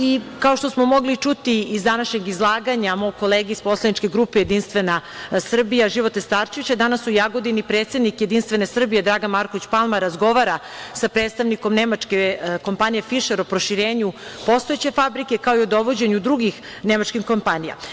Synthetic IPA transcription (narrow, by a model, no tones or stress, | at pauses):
ikao̞ʃt̪osmo̞mo̞ɡlit͡ʂut̪iizd̪anaʃɲe̞ɡizlˠaːɡaɲamo̞ɡ̚ko̞leːɡeispo̞slˠanit͡ʃke̞ɡɾuːpeje̞d̪inst̪ʋe̞nasr̩bijaʒiʋot̪est̪aɾʃeʋit͡ɕad̪anasujaɡo̞d̪inipɾe̞ːt̪sed̪nikjed̪inst̪ʋe̞nesr̩bijed̪ɾaːɡanmaɾkoʋit͡ɕpalˠmaɾazɡo̞ʋaɾasapɾe̞ːt̪st̪aʋniko̞mnemat͡ʃkeko̞mpanije̞fiʃeɾopɾo̞ʃiɾeːɲupo̞st̪oet͡ɕe̞fabɾike̞kao̞iod̪o̞ʋo̞d͡ʑe̞ɲud̪ɾuɡixnemat͡ʃkimko̞mpanija̰